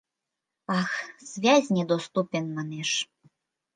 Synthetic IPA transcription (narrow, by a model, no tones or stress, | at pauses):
ɑxz̥ʲvʲazʲnʲɛd̪ɔst̪upʲɛnmanɛʂ